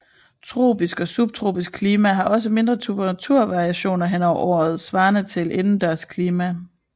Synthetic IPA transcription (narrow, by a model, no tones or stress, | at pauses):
t͡sʰʁo̝̰ːb̥isɡ̥ɒ̽sub̥̚t͡sʰʁo̝̰ːb̥isɡ̥̚kʰliːmæɦɑ̈ʔɒ̽s̬əme̝nd̥ʁɐt͡sʰub̥æʁt͡sʰuɐ̰ʋɑ̈ʁiæɕo̝̰ːnɐɦenɒʊ̰ɐ̰ʔɒ̰ːð̞̩ˠsʋɑ̈ːnət͡sʰe̝lʔe̝nn̩d̥æɐskʰliːmæ